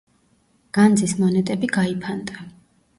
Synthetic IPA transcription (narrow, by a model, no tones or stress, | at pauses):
ɡ̥and̪zismɔnɛt̪ʼɛbiɡaipʰand̪a